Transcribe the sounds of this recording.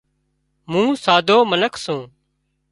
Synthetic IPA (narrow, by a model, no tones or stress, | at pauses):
mũːsaːd̪ʱoːmənəkʰsũː